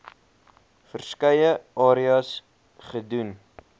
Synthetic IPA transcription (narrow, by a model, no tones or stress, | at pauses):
fərskəjəʔɑːɾiɑs | χədun